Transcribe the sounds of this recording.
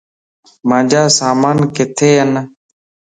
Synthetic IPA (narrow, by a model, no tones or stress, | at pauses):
mãːd͡ʒaːsaːmaːnkɪt̪ʰeːɦən